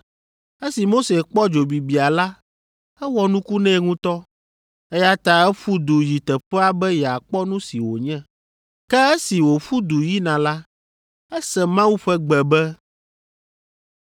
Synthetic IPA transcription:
ɛ˦si˨mo˦se˨k͡pɔ˦d͡ʒo˨bi˨bi˨a˨la˦ | ɛ˦wɔ˦nũ˦ku˦nɛ̃˦ŋũ˦t̪ɔ˦ | ɛ˦ja˦t̪a˦ɛ˦ɸu˦d̪u˨ji˨t̪ɛ˨ɸɛ˦a˦bɛ˦jɛ˨a˨k͡pɔ˦nũ˦si˨wo˨ɲɛ̃˦ | kɛ˦ɛ˦si˨wo˨ɸu˦d̪u˨ji˦nã˨la˦ | ɛ˦sɛ̃˨mã˦wu˦ɸɛ˦ɡ͡bɛ˨bɛ˦

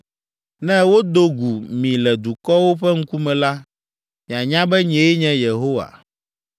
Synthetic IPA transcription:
nɛ̃˦wo˦d̪o˦ɡu˨mĩ˨lɛ˨d̪u˨kɔ˦wo˦ɸɛ˦ŋ̩˦ku˦mɛ̃˨la˦ | mĩ˨a˨ɲã˦bɛ˦ɲɛ̃˨˦e˦ɲɛ̃˦je˨ɦo˦wa̰˨

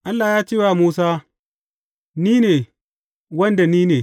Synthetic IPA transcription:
ʔa˦lːa˨jaː˦t͡ʃeː˦waː˨muː˦saː˦ | niː˦neː˨ | wɐ˦nda˨niː˦neː˨

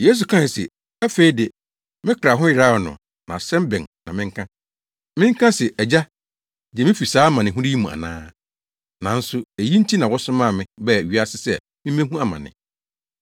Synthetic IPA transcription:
je˦s̬u˨kʰã˦˨sɪ̰˨ | æ˦fe˦i˦dɪ˨ | mɪ̃˦kʰɾa˨ɦʊ̃˦jɪ˨ɾaː˦˨nʊ̰̃˨ | nã˨sɛ̃˦mbɪ̃˨ŋnã˨mɪ̃˦ŋ̩˦kʰã˦ | mɪ̃˦ŋ˦kʰã˦sɪ˨ʔɛ˨d͡ʑa˦ | d͡ʑɛ˨mɪ̃˦fi˨saː˦mã˨nɪ̃˨ɦũ˦ɾɪ˦ji˦mũ˨a̰˨nã̰ː˦ | nã˨n̩˦sʊ˦e˨ji˦n̩˦tʰi˦nã˨wɔ˦sʊ̃˦mã˦˨mɪ̃˦bɛ˦˨ɥi˦a˦sɪ˦sɛ̰˦˨ | mɪ̃˦m˦ẽ˦hũ˦a˨mã̰˨nɪ̰̃˨

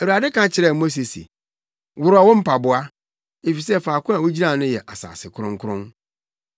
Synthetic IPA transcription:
æ˨wu˨ɾa˨dɪ˦kʰã˦t͡ɕʰɪ˨ɾɛ˦˨mo˦s̬e˨sḭ˨ | wʊ˨ɾʊ˦a˨wɔ̃˦m̩˦pʰa˨bʊ˨a˦ | e˨fi˨sɛ˦faː˨kʰʊ̃˦a˨wo˦d͡ʑi˦nã˦˨nʊ̃˦jɛ˨ʔa˨sa̰ː˨sɪ˨kʰʊ˦ɾʊ̃˦ŋ˦kʰʊ˦ɾʊ̃˦n

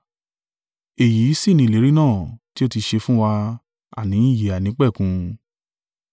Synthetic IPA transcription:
e˨ji˨˦si˦˨nĩ˧˨le˨˦ɾi˦nãː˦˨ti˦o˦˧ti˧ʃe˧fũ˦wa˧ | a̰˦˨nĩ˨˦i˦˨je˨a˨nĩ˨˦k͡pɛ˦˨kũ˧

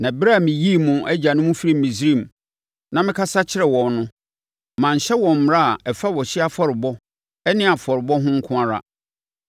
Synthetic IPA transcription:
nã˨bɾa˦˨mɪ̃˨ji˦˨mʊ̃˨ʔɛ˦d͡ʑa˨nʊ̃˦mũ˦fi˦ɾi˦m̩˨ĩ˨s̬ɾĩ˦˨m | nã˦mɪ̃˦kʰa˦sa˦t͡ɕʰɪ˦ɾɛ˨wɔ̃˨nnʊ̃˦˨ | mã˨ɲ̩˨ɕɛ˦wɔ̃˨m̩˨m˨ɾa˦˨ɛ˨fa˦wɔ˨ɕɪ˦a˦fɔ˦ɾɪ˨bɔ˦ | ɛ˦nɪ̃˦a˨fɔ˨ɾɪ˨bɔ˦ɦʊ̃˦ŋ̩˦kʰʊ̃˦a˦ɾa̰˨

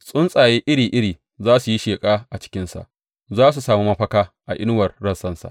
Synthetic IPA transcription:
sʼʊ˦nsʼaː˨jeː˦ʔɪ˦ɽiː˨ʔɪ˦ɽiː˨ | zaː˦su˨ji˦ʃeː˨kʼaː˦ʔa˨t͡ʃɪ̥˦kʲɪ˦nsa̰˨ʔ | zaː˦s̬u˨saː˨muː˦mɐ˦ɸɐ˦kaː˦ʔa˨ʔɪ˦n˦wɐ˨rɽɐ˦nsɐ˦nsa̰˨ʔ

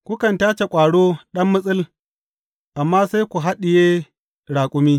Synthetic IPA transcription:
kʷʊ˦kɐ˨ntaː˦t͡ʃe˨kʷʼaː˨ɽoː˦ɗɐ˦mːʊ˦sʼɪ˦l | ʔa˨mːaː˦sa˦jkʷu˨ɦa˦ɗɪ˨jeː˦ | ɽaː˨kʷʼʊ˦miː˦

